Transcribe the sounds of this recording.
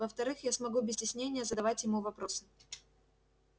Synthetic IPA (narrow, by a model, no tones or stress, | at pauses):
vəft̪ɐɾɨxjasmɐɡubʲɪsʲtʲɪsʲnʲenʲɪjəzəd̪ɐvatʲjɪmuvɐpɾo̞sɨ̥